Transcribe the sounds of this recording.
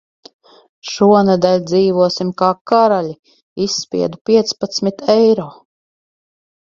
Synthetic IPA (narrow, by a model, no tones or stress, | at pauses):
ʃuɔnad̪alʲd̪ziːvuɔsimkaːkaɾalʲi | isːpʲḭɛd̪upʲiɛt̪spat̪smit̪ɛjɾoː